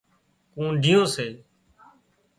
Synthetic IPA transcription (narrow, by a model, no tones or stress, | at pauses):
kũːɖʱiːjõːseː